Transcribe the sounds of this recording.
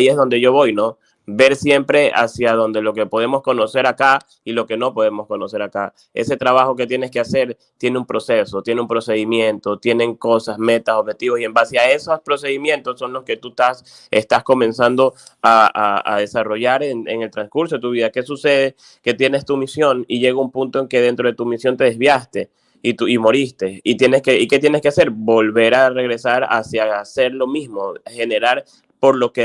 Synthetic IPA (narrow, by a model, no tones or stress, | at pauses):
aiezðo̞nd̪e̞ʝo̞βo̞jno̞ | be̞ɾsje̞mpɾe̞ʔa̰sjaðo̞nd̪e̞lo̞ke̞po̞ð̞e̞mo̞sko̞no̞se̞ɾaka | ilo̞ke̞nopo̞ð̞e̞mo̞sko̞no̞se̞ɾaka | e̞̰se̞t̪ɾaβaxo̞k̬e̞t̪je̞ne̞ske̞ase̞ɾ | t̪je̞neumpɾo̞se̞so̞t̪jeneumpɾo̞se̞ð̞imjẽ̞nt̪o̞t̪je̞ne̞ŋko̞sasme̞t̪aso̞β̚het̪iβosie̞mbaseae̞sospɾo̞se̞ðimje̞nt̪osːo̞nlo̞ske̞t̪ut̪as | ḛst̪asko̞mẽ̞nsand̪o̞aa̰a̰ðe̞saro̞ʝaɾenḛŋe̞lt̪ɾaŋskuɾsoet̪uβiðake̞suse̞ð̞e̞ | ke̞t̪je̞ne̞st̪umisjo̞niʝe̞ɣaumpunt̪oe̞ŋke̞ðe̞nt̪ɾo̞ðe̞t̪umisjo̞nt̪e̞ðezβjast̪e̞ | it̪uimo̞ɾist̪e̞it̪je̞neskeike̞t̪je̞neske̞ase̞ɾbo̞lβe̞ɾare̞ɣɾe̞saɾa̰sjase̞ɾlo̞mizmoxe̞ne̞ɾaɾ | po̞ɾlo̞ke